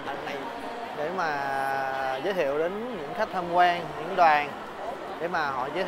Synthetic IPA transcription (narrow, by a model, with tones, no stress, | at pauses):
a˨˩nna˨˩j | ɗe˧˩maː˨˩ | zəː˨˦jt̪ʰḭ˧˨əwɗe˨˦nɲɨ̰˧˥ŋxa˦˥k̚t̪ʰə˧mkwaː˧ŋɲɨ̰˧˥ŋɗwaː˨˩ŋ | ɗe˧˩maː˨˩ɦɔ̰˧˨zəː˦